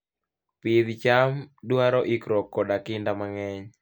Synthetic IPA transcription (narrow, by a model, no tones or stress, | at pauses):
pɪd̪t͡ʃamduaɾɔʔɪkɾɔkːɔdakɪndamaŋɛɲ